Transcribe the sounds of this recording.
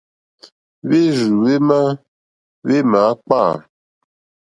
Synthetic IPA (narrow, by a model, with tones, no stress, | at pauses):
βe˦zu˨we˦ma˦ | βe˦ma˨˦k͡pa˦˨